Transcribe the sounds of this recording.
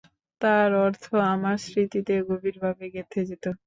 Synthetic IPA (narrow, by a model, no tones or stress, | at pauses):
t̪aɾɔɾt̪ʰoamaɾsɾit̪it̪eɡobiɾbʱabeɡet̪ʰed͡ʑet̪o